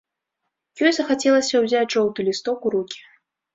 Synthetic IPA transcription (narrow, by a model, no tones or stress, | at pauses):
jɔjzɐxat͡sʲɛlˠɐsʲɐwzʲaʐɔwd̪ulʲist̪ɔkuɾukʲi̥